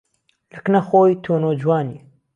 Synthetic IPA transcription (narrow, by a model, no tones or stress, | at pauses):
lɨknɐxoːjt̪ʰoːnoːd͡ʒwaːni